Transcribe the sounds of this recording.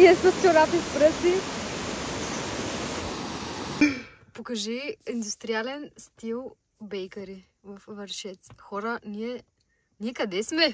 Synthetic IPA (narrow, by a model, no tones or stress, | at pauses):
ɛsəst͡ʃoɾap̪ispɾəsi | pokɐʒiind̪ust̪ɾialɛnst̪ilˠ | bɛjkɐɾi | vɐfvɐɾʃɛt̪sxɔɾəniɛ | niɛkɐd̪ɛsmɛ